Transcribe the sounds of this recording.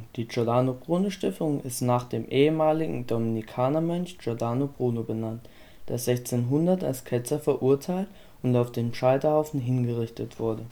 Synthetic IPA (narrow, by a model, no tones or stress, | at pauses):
d̥iːd͡ʒɔɐdaːnoɡ̥ʁuːnoʃtɪftʊŋɪstnaːχd̥eːmʔeːəmaːlɪɡŋ̩dominikʰaːnɐmœnçd͡ʒɔɐdaːnoɡ̥ʁuːnobənant | d̥ḛːɐzɛçt͡seːnɦʊndɐta̰lskʰɛt͡sɐfɛɐʔuɐtʰaɪlt | ʊntaʊfd̥eːnʃaɪtɐhaʊfn̩ɦɪnɡəʁɪçtətv̥ʊɐdə